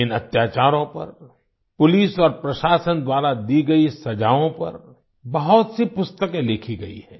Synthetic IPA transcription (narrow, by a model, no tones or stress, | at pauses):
ɪnɐt̪jaːt͡ʃaːɾõpɐ̰ɾ | pʊliːsɔːɾpɾɐʃaːsənd̪waːɾad̪iɡɐisɐd͡ʒaːõpɐ̰ɾ | bɐɦɔt̪sipʊst̪əkẽlɪkʰiɡɐḭɦɛ̃ː